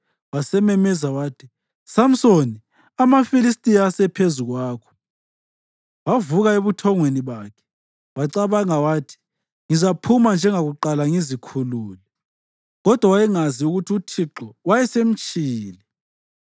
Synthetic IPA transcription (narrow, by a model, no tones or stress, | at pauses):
wasɛmɛmɛzawaːtʰi | sam̩soni | amafilistʼijasɛpʰezuɣwaːkʰɔ̥ | wavuɣaeβutʰɔŋweniβaːkʰɛ̥ | waǀaβaŋawaːtʰi̥ | ŋizapʰumand͡ʒʱɛŋaɣuǃalaŋizikʰuluːlɛ | ɣɔd̥ʱwawajɛŋaziuɣutʰiutʰiǁɔwajɛsem̩t͡ʃʼiːlɛ